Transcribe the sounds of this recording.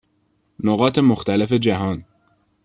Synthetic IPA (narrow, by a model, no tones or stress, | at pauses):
noɣɒːt̪ʰe̞moxt̪ælefe̞d͡ʒæɦɒːn